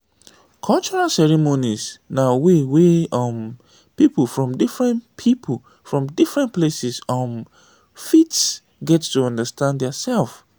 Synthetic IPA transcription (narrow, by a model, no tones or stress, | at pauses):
kʰɔlt͡ʃɔɹalsɛɹimonisnaweweɔ̃m | pipəfɹɔ̃mdifɹɛ̃npʰipʰl | fɹɔ̃mdifɹɛ̃nplesisãm | fits | ɡɛttuʌ̃ndəstʰãnddɛasɛlf